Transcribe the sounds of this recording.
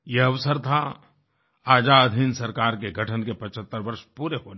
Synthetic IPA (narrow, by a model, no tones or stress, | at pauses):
jeɐʋsəɾt̪ʰa | aːd͡ʒaɐd̪ʱinsɐɾkaːɾkeɡʱɐʈʰənkepɐt͡ʃʰət̪ːəɾʋɐɾʃpuːɾeɦoːn